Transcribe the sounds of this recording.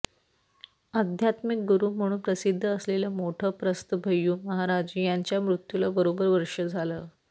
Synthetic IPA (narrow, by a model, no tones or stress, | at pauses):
ad̪ʱjat̪mik̚ɡuɾuːm̤əɽ̃uːnpɾəsid̪ʱːəːsleləmoʈʰəːpɾəst̪əbʱəjːuːməɦaɾad͡ʑijaɲt͡ɕjamɾut̪julabəɾobəɾʋəɾʂəd͡zʱaləː